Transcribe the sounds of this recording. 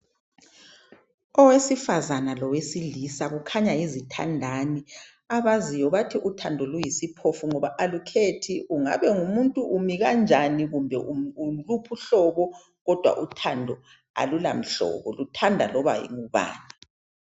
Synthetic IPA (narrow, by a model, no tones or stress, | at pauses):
ɔwesifazanalɔwesilisaɣukʰaɲajizitʰa̰ndʱani | aβazijɔβatʰiʔutʰandʱɔlujisipʰofuŋɔβaʔalukʰetʰiʔuŋa̰βɛŋumuntʼuʔumiɣand͡ʒʱaniɣumbʱɛʔuulupʰuɬɔβɔ | ɣɔd̥ʱwa̰ʔutʰandʱɔ | a̰lula̰m̩ɬɔ̰βɔ̰lutʰandʱalɔβa̰jḭŋuβa̰ːna